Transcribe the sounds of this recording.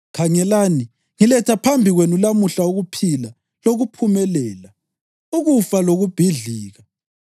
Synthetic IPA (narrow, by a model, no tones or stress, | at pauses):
kʰaŋɛlaːni | ŋilɛtʰapʰambʱiɣwenulamuɬauɣupʰila | loɣupʰumɛlɛːla | uɣufaloɣub̥ʱiɮiːɣa